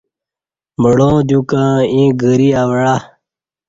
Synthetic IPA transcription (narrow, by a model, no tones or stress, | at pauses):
məɽõːd͡ʑ̪ukãːĩːɡəɾiawəɽa